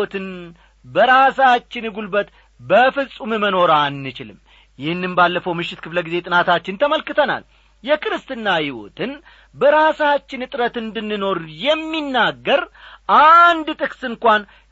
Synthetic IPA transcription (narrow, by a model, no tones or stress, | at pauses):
ot̪ʰɨn | bəɾasat͡ʃːɪnɨɡulbət̪ | bəfɨzʼumɨməno̞ɾanːɨt͡ʃɪlɨm | jɪhɨnːɨmbalːəfəwmɨʃːɪt̪kʰɨfləɡize̞t̪ʼɨnat̪ʰat͡ʃːɪnt̪ʰəməlkɨt̪ʰəna̰l | jɛkʼɨɾɨst̪ɨnːahɪwo̞̰t̪ʰɨn | bəɾasat͡ʃːɪnɨt̪ʼɾət̪ɨnd̪ɨnːɨno̞ɾjɛmːinːaɡːəɾʔand̪t̪ʼɨksɨŋkʷan